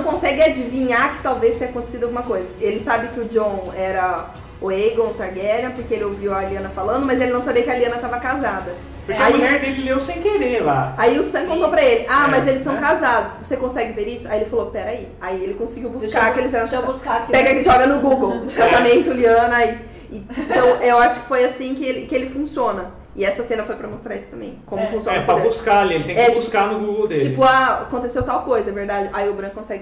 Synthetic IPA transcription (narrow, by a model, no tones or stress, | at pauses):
ɐ̃w̃kõsɛɡɪad͡ʒivĩɲakɪ̥t̪awvest̪ẽɲɐakõt̪e̥sid̪ʊawɡũmɐkojzɐelɪsabɪkɪʊd͡ʒõɛɾɐ | ʊejɡõʊt̪aɾɡɛɾɐ̃poɾkeelɪowviwɐliɐ̃nɐfalɐ̃nd̪ʊmɐzelɪnɐ̃w̃sabiɐkɪaliɐ̃nɐt̪avɐkazad̪ɐ | ʊɾkaieɾd̪eɡiewsẽj̃keɾelaaiʊsɐ̃kõnk̪t̪owpɾɐelɪʔamɐzelɪsɐ̃w̃kazad̪ʊsvosekõsɛɡɪveɾisʊajielɪfalopɛɾai | aielɪkõsɪɡiwbussskaɾkelɪzɛɾɐ̃w̃buskakpɛɡɐkʒɔɡɐnʊɡuɡowkazamẽnt̪ʊliɐ̃nʊai | ɪ̃t̪ɐ̃w̃ewaʃʊ̥kɪ̥fojasĩkɪelɪkɪelɪfũsiõnɐ | ɪɛsɐsẽnɐfojpɾɐmost̪ɾaɾisʊ̥t̪ɐ̃mbḛ̃j̃kõmʊfũsijõɛpɾɐbuskalielɪt̪ẽɛ̃ɛt͡ʃbuskaɾnʊɡuɡowd̪elt͡ʃiɪpʊaakõt̪̬esewt̪awkojzɐɐveɾd̪ad͡ʒɪʔaiʊbɾɐ̃kkõsɛɡɪ